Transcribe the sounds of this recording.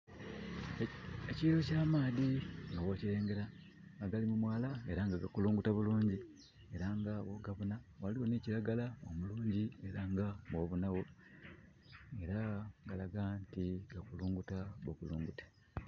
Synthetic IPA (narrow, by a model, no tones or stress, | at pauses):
eciːɾo̞caːmaːðiŋɡawo̞ciɾe̞ːŋɡe̞ɾa | ɡaɡalimumwaːlae̞ɾaŋɡaɡakuluːŋɡutaβuluːɲɟi | e̞ɾaŋɡaβo̞ɡaβunawaliwo̞neːciɾaɡalao̰muluːɲɟie̞ɾaŋɡaβwo̞βunawo̞ | e̞ɾaɡalaɡaːntiɡakuluːŋɡutaβokuluːŋɡute̥